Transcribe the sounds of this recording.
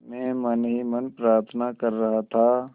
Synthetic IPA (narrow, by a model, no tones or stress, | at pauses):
mɛ̃ːmənɦimənpɾaːɾt̪ʰnakɐɾːɐɦat̪ʰaː